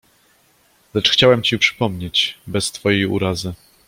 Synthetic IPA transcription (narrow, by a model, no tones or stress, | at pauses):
lɛt͡ʂxt͡ɕawɛmt͡ɕipʂɘ̥pɔmɲet͡ɕbɛst̪fɔjejṵɾazɘ